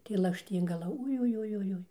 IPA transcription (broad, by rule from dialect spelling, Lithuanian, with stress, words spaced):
tɐɪ lˠɐkʃʲˈtʲiːŋɡɐlˠɐ ʊjʊjʊjʊˈjʊɪ